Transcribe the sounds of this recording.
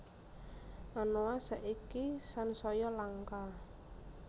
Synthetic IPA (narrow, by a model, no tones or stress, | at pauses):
manoasaʔikisansɔjɔlaŋka